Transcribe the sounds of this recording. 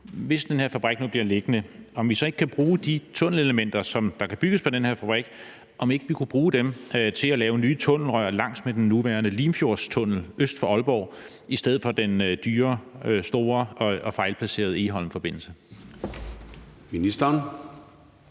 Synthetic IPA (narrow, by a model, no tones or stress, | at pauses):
ʋe̝sd̥enheɐ̰fæb̥ʁɛɡ̥̚nub̥liɐle̝ɡ̥ənəɒ̽mʋisɒ̽e̝ɡ̥əkʰæb̥ʁuːd̥it͡sʰɔ̽n̰l̩e̝ləmen̰d̥ɐsɒ̽md̥ɑ̈kʰæb̥yɡ̥əspʰɒ̽d̥enheɐ̰fæb̥ʁɛɡ̥ | ʔɒ̽me̝ɡ̥əʋikʰub̥ʁuːd̥emt͡sʰe̝lælɛːʊnyːt͡sʰɔ̽n̰l̩ʁœɐlɑ̈ŋ̰smed̥enːuʋæːɐnəliːmfjo̝ɐ̰st͡sʰɔ̽n̰l̩øsd̥fɒ̽ɒ̽lb̥ɒʊ̰ | isd̥eð̰̩ˠfɒ̽d̥end̥yːɐsd̥o̝ːɐɒɒ̽fɑ̈ɪlpʰlæse̝̰ːɐð̞̩ˠe̝ɦɒ̽l̰m̩fɒ̽b̥e̝n̰l̩sə | minisd̥ɐn